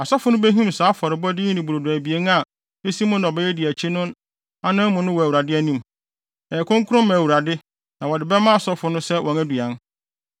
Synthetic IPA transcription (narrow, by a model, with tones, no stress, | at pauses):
a˨sɔ˦fʊ˨nʊ̃˦bæ˦ɦũ˦msaː˨˦fɔ˨ɾɪ˨bɔ˦dɪ˦ĩ˦nĩ˨bu˨ɾo˨dʊ˨æ˨bi˨e˦n˦a˨ | e˦si˦mʊ̃˦nɔ˨bɛ˦jɛ˦dɪ˨æ˨t͡ɕʰi˦nʊ̃˦n | a˦nã˦mʊ̃˨nʊ̃˦wɔ˨æ˨wu˨ɾa˨dɪ˦æ˦nĩ˦˨m | ɛː˨kʰɔ̃˦ŋkʰʊ˦ɾʊ̃˦mmã˨wu˨ɾa˨dɪ˦ | nã˨wɔ˨dɪ˨bɛ˦mã˦a˨sɔ˦fʊ˨˦nʊ̃˦sɛ˦wʔɔ̃˨næ˦du˨ã˨˦n